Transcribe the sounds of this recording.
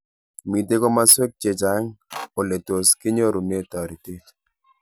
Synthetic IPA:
mi˨te˦ko˦ma˦se˦k̚t͡ʃe˨d͡ʒa˨˦ŋo˨le˨to˨skɪ˦ɲo˦ɾu˨ne˦˨tɔ˨ɾi˨ti˦

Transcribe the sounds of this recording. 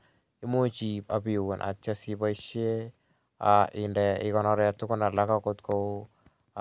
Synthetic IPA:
i˦mo˦t͡ʃi˨pa˨pi˨wo˨nʔa̰˨t͡ʃːa˦si˦ba˦iʃe˦ | a˨ʔɪ˨ndɛ˨ɪ˦kɔ˦nɔ˦ɾa˨tʊ˦kʊ˦na˨la˦ka˦ko˦tko˦

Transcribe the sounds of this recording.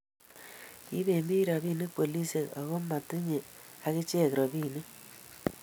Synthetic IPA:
i˦βe˨mi˦ɾa˨βiː˦ne˦kpo˨li˦se˨ka̰˨ɣo˦ma˨tɪ˦ɲe˨a˨ɣe˦t͡ʃe˦˨kɾɔ˨βiː˦˨ne˦

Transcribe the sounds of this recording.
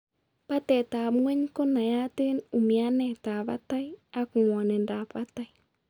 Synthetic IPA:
pa˦tɛ˨taː˨mwɛ˦ɲ˦ko˦na˨ja˦te˦nu˨mi˨a˦nɛ˦˨ta˨βa̰˦ta˦i˦a˦ku˨mɔ˨nɛ˨nda˨pa˦ta˦i˦

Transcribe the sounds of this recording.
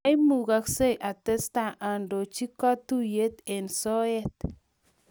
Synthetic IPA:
a˦jmu˨ɡa˧kse˦˨ja˨t̪e˦st̪a˨ʔa˨ndo˨t͡ʃi˦ka˦t̪u˦je˦t̪e˨nso˦e˦t̪

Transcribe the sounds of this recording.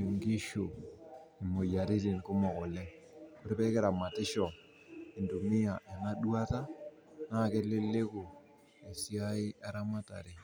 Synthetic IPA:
ŋɡi˦ʃu˨i˨mo˨ja˨ɾi˦ti˨n˨ku˦mɔ˨kɔ˨lɛ˦ | ko˦ɾe˦pɛ˦kɪ˦ɾa˨ma˨tɪ˦ʃɔ˨ | i˨ndu˨mi˦a˨ʔe˨na˦du˦a˦ta˦ | na˦˨ke˦lɪ˦lːe˦kʊ˨ | e˨si˦a˦ɪ˦a˦ɾa˦ma˦ta̰˨ɾe˨

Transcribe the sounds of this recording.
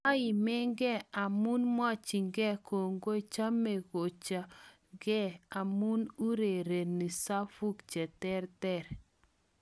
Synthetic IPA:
a˦i˨mɛ˦ŋɡɛ˦˨a˨mu˦nmwa˦t͡ʃi˨ŋɡɛ˦˨ko˨ŋɡo˦˨t͡ʃa˦me˨ɣo˨t͡ʃa˨ŋɡɛ˦a˨mu˦nu˦ɾe˨ɾe˨ni˨sa˦fu˦kt͡ʃɛ˨tɛ˦ɾtɛ˦˨ɾ

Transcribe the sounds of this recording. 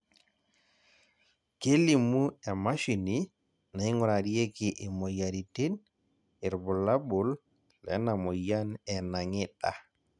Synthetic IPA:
ke˦li˨mu˦ɛ˨ma˦ʃi˨ni˦ | na˨i˦ŋʊ˨ɾa˨di˦e˦ki˨ʔɪ˨mɔ˨ja˨ɾi˨ti˦n | ɪ˨ɾbu˨la˦bʊ˨l | lɛ̰˨˦na˨mɔ˨ja˦nɛ˨na˨ŋɪ˦ta˨

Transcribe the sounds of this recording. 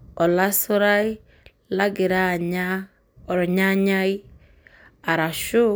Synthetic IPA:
ɔ˨la˦su˦ɾa˦i˦ | la˦ɡi˨ɾa˦ɲa | ɔ˨ɾɔ˨ɲa˦ɲa˦i˦ | a˨ɾa˨ʃu˦

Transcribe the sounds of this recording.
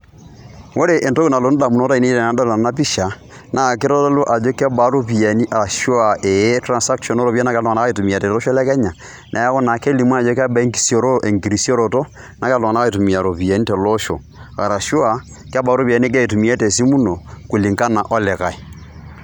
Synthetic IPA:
wo˦ɾe˨ʔe˨nto˦ku˦na˨lo˨˦n˦da˨mu˨no˦ta˦i˨ne˦i˦ɾɛ˨na˨nda˦la˨na˦p̬i˦ʃa˨ | na˨ke˦ɾɔ˦lɔ˦lo˦ʔa˨d͡ʒo˦kɛ˦ba˨˦ɾo˦pi˨ɛ˨ni˦ʔa˨a˨ʃwa˨ʔe˨˦tɾa˨nsa˦kʃɔ˨no˦ɾo˨βja˦na˦ka˦la˦ɣa˦e˨tu˨mi˨a˨tɛ˨lɔ˦ʃɔ˦lɛ˦kɛ˦ɲa˨ | nʔa˨a˦ɣɔ˦na˨ke˦li˨mwa˦˨d͡ʒo˦k̬a˦ba˨e˦ŋɡi̥˦si˦ɔ˦ɾo˦ʔe˨ŋɡi˨ɾi˨sɔ˦ɾo˨tɔ˦ | na˨ka˦lo˨a˨a˦ɣa˦e˨tu˨mi˨a˨ɾo˨pi˨ɛ˨ni˦tɛ˨lɔ˦ʃɔ̰˨ | a̰˨ɾa˨ʃwa˨ | ka˦ba˨˦ɾo˦pi˨a˨nie˦k̬e˦i˨tu˨mi˦ɛ˦te˨si˦mu˦no˨ku˨li˨ŋka˦na˨ʔɔ˦lɛ˨ɣa˨e˨

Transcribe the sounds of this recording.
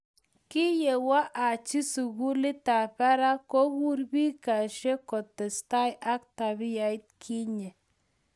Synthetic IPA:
ki˦je˨wa˦ʔa˨t͡ʃi˦su˨ɣu˦lɪ˦ta˨pa˦ɾa˦ko˦wu˦ɾbi˦ka˨ʃɛ˦kɔ˨tɛ˨sta˦jʔa˦kta˨bi˦ja˨i˦t̚kʰi˦ɲɛ˨

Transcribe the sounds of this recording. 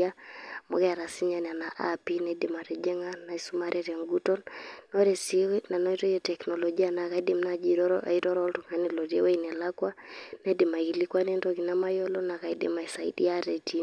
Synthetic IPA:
a˦mo̰˦kɛ˦a˨ɾa˨si˦ɲa˦nɛ˨a˨na˨ʔa̰pina˨i˦di˨ma˨ɾɛ˨d͡ʒɛ˦ŋa˦na˨isu˦ma˦ɾʔɛɾɛ˨ŋɡu˦tɔ˦nnɔɾɛ˨sina˨nɔ˦i˦tɔ˦jɛtɛknɔlɔd͡ʒi˦anaka˨i˦di˦mnad͡ʒiiɾɔ˦ɾɔ˦ltu˨ŋa˦nilɔ˨ɾi˦e˦we˦inɛ˨lakwa˦na˦dima˨ki˨li˦kwa˦nendɔki˨nama˦jɔ˦lɔna˨ka˨idɪ̰ma˨isaḭdi˦a˦ɾɛ˨ti

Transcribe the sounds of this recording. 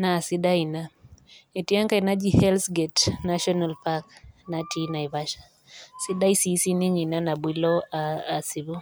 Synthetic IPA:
na˨si˦da˦i˨na˦e˨ti˦a˦ŋka˨i˨na˦d͡ʒi˦hɛ˦lsɡɛ˨tna˦ʃɔ˦na˨lpa˦kna˨tʰi˦na˨i˨βa˦ʃḁ˨ | si˦ɗa˦i˦si˦si˦ni˦ɲi˨na˦na˨bwi˦lɔ˦aa˨si˨βɔ˦

